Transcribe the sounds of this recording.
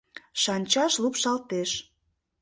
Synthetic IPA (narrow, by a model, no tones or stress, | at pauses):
ʃɑnʲt͡ɕɑʃlupʃɑlt̪eʃ